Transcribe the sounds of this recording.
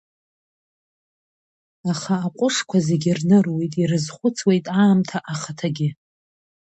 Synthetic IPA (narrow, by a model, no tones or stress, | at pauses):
aχaːqʷʼʊʂkʷʰazeɡʲɪrnɨrwe̞jtʼirɨzχʷʊt͡sʰwe̞jtʼaːmtʰaʔaχatʰaɡʲɪ